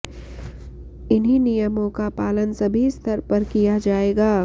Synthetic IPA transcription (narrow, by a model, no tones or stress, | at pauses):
ɪnɦinijəmõkapaːlənsɐbʱist̪ʰəɾpɐɾkijad͡ʒaːeːɡaː